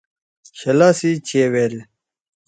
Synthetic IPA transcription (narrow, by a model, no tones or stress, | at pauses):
ɕɐlaːsit͡ɕʰeːwel